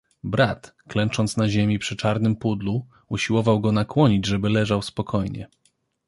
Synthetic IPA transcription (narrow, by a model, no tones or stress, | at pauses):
bɾat̪klɛnt͡ʂɔnt̪snaʑemʲipʂɘt͡ʂaɾnɘmpud̪lu | uɕiwɔvawɡɔnakwɔɲid͡ʑʐɛbɘlɛʐawspɔkʰɔjɲɛ̰